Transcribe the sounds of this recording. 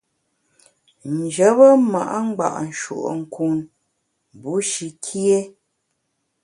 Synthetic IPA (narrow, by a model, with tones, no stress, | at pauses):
n̩˨d͡ʒə˨˦bə˦ma̰˨ʔa˦ŋ͡m̩˦ɡ͡ba̰˨ʔn̩˨ʃṵ˨ʔŋ̩˨kʰu˨n˨ | bu˨˦ʃi˨kʰi˦e˦